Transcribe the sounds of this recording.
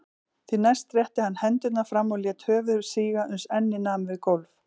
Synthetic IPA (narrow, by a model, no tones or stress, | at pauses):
θinajst̪rjɛht̪ɪhanːhɛnt̪ʏt̪nafɾamːɔljɛːt̪hœːvʏɾsiːɣaʔʏnsɛnːɪnaːmvɪðkolf